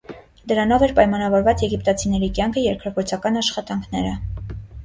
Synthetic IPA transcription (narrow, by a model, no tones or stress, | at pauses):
d̪əɾɑn̪ɔvɛɾpɑjmɑnɑvɔɾvɑt͡sjɛɡipt̪ɑt͡sʰinɛɾikʲjɑŋkʰəjɛɾkʰɾɑkɔɾt͡sʰɑkɑnɑʃχɑt̪ɑŋkʰnɛɾə